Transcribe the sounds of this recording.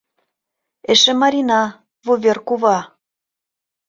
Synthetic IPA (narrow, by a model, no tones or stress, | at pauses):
eʃĕmɑɾʲinɑ | vuβʲerkuβɑ